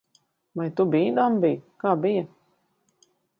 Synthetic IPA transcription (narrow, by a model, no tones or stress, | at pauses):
vajt̪ubiːd̪ambijkaːbijɐ